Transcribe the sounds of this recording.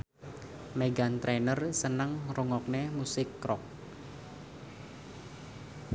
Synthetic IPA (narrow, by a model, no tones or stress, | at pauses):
meɡant̪ɾenərsənəŋruŋɔk̚nemusɪkːɾɔk̚